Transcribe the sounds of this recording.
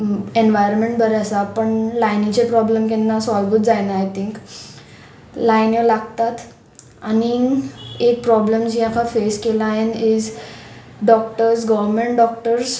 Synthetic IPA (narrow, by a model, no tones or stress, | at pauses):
enʋajəɾmẽɳʈbəɾasapəɳlajnit͡ɕepɾɔbləmkɛnːasɔlbuːt̪d͡zajnaːjt̪iŋk | lajnjolaɡt̪at̪ | ani | ek̚pɾɔbləmd͡ʑijãkʰafeskelaɦenid͡z | ɖɔk̚ʈəɾsɡəʋəɾmeɳʈ̚ɖɔk̚ʈəɾs